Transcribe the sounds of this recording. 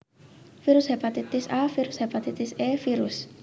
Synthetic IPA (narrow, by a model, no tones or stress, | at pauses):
fiɾushepat̪it̪ɪsafiɾushepat̪it̪ɪsefiɾus